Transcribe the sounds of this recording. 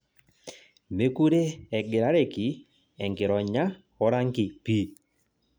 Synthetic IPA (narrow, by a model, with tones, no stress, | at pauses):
me˦ku˦ɾe˦ɛ˨ɡɪ˨ɾa˦ɾe˨ki˨˦ | ɛ˨ŋɡɪ˨ɾɔ˨ɲa˦ | ɔ˦ɾa˦ŋki˨pi˦